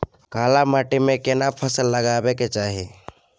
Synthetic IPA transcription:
kaːlamaːʈimẽkenapʰəsəlːəɡaːbeket͡ʃaːɦe

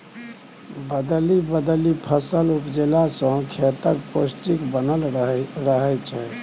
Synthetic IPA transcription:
bəd̪libəd̪əlipʰəsəlupd͡ʒelasə̃ɦkʰet̪əɾposʈikbənəlɾəɦɛt͡ʃʰɛ

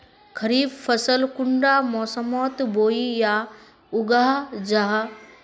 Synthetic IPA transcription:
kʰɐɾiːbfɐsəlkʊɳɖaːmɔːsəmɔːt̪boːija | ʊɡaːɦd͡ʒaɦ

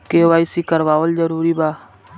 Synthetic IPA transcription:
keːʋaːisikəɾʋaːʋəld͡ʒəɾuːɾibaː

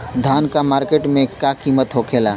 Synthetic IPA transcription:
d̪ʱaːnkamaːɾkeːʈmẽkakiːmət̪ɦokʰeːlaː

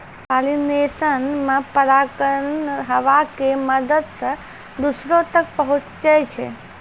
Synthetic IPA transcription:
palinesənmãpəɾakənɦəʋakeməd̪əd̪sə | d̪usɾot̪ək̚pəɦũt͡ʃt͡ʃet͡ʃʰḛ

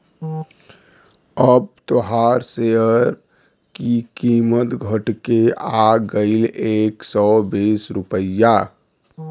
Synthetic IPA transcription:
əb̚t̪oɦaɾseəɾ | kikimət̪ɡʱəʈkeaɡəɪleksɔbisɾupəja

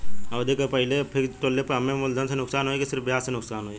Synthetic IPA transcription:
ɔːd̪eːkəɾpəɦɪlepʰɪɾʈ̪oːlːepəɦɐmẽmʊld̪ʱənsenʊksaːnɦoːekisɪɾfbjaːssenʊksaːnɦoːeː

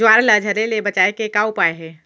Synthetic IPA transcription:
aːɾləd͡ʒʱɐɾelebɐt͡ʃaːekekaʊpaːeɦɛ̃ː

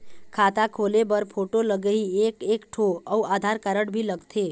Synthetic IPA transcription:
kʰat̪akʰolebəɾpʰoʈoləɡəɦiekekʈʰoəuad̪ʱaɾkəɾəɽbʱiləɡt̪ʰe

